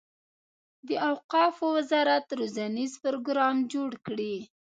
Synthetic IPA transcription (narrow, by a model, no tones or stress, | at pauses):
d̪əawqɑfowɪzɑɾat̪ɾozanizpʊɾoɡɾɑmd͡ʒoɽkɽi